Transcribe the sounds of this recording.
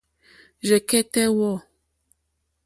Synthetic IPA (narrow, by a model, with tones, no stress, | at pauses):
ʒe˨kɛ˦tɛ˦wɔ˦˨